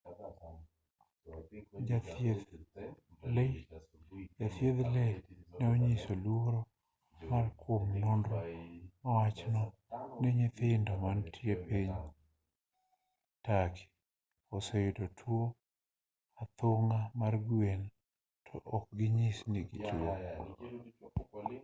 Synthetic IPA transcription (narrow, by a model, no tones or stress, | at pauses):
d͡ʒated | le | d͡ʒat̪jeðlɛnaoɲisolwoɾo | markʰwomnondɾomawat͡ʃnɔ | neɲɪt̪ɪndɔmantʰjepeɲ | takʰi̥ | ɔsejdotʰwo | at̪ʊŋamarɡwen | tʰɔʔɔk̚ɡɪɲisniɡituo